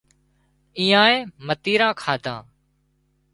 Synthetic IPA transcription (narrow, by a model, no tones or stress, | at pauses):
iːãːẽːmət̪iːɾãːkʰaːt̪ã̰ː